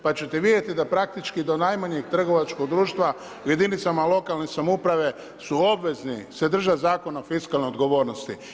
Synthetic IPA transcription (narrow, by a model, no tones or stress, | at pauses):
pat͡ɕet̪eʋid̪je̞t̪id̪apɾak̚t̪it͡ʃkid̪o̞najmaɲeɡt̪r̩ɡo̞ʋat͡ʃkoɡ̚d̪ɾuːʃt̪ʋa | uje̞d̪init̪samalo̞kalnesamoupɾaʋe̞ | suo̞bʋe̞znise̞d̪r̩ʒazaːko̞naofiskalneod̪ɡo̞ʋo̞ːɾnost̪i